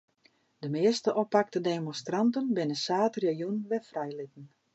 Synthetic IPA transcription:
dəmɪəstəʔɔpak̚tədemɔnstrɑntənbɪnəsaːtrəjunʋɛfrɛjlɪtən̩

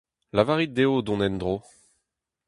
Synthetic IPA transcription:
lavaʁit̪̚d̪eod̪ɔ̃nɛnd̪ʁo

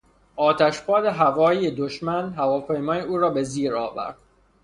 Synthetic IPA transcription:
ʔɒːt̪ʰæʃpʰɒːd̪eɦævɒːjijed̪oʃmænɦævɒːpʰe̞jmɒːjeuːɾɒːbe̞ziːɾɒ̰ːvæ̰ɾd̪̥

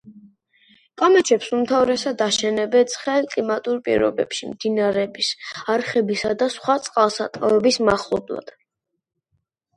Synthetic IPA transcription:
kʼamɛt͡ʃʰɛpsumt̪ʰavɾɛsad̪aʃɛnɛbɛt̪sʰʼχɛlkʼlimat̪ʼuɾpʼḭɾɔ̰bɛ̰pʃimd̪inaɾɛbisaɾχɛbisad̪asχwat̪sʼqʼalˠsat̪ʼavɛbismaχlˠɔ̰blˠa̰d̪̥

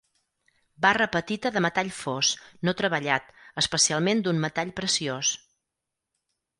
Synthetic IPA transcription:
barəpət̪it̪əðəmət̪aʎfosnot̪ɾəβəʎat̪əspəsialˠmend̪unmət̪aʎpɾəsios

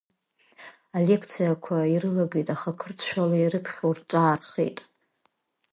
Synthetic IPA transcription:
ale̞kʰt͡sʰijakʷʰaiɾɨlaɡejtʼaχakʰɨrt͡sʰʃʷᶣalairɨpʰχʲawrt͡ʃʼaːrχʲḛjtʼ

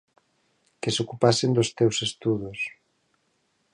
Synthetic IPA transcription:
kesokupasend̪ost̪ewsest̪uðos

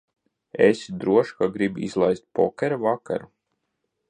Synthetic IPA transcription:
ḛsd̪ɾuɔʃkaɡɾibḭzlˠajst̪̚pɔkʲɛɾavaka̰ɾu

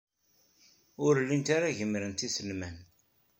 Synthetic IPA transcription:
ʊɾlːint̪aɾaʝəmːɾənt̪isəlmæn

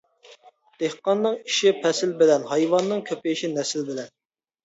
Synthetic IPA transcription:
d̪̥ehqɑnːɨŋi̥ʃipʰɛsɪlbɪlɛnhɑjwɑnːɨŋkʲʰøpɪʃinɛsɪlbɪlɛn

